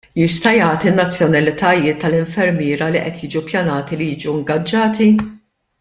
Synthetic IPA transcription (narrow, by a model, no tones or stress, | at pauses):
jɪst̪ɐjɐːt̪inːɐt͡sːjɔnɐlɪt̪ɐjɪːt̪ːɐlɪɱfɛɾmɪːɾɐliʔɛ̰t̪ʰjiːd͡ʒupjɐnɐːt̪ilijiːd͡ʒuɪŋɡɐd͡ʒːɐːt̪i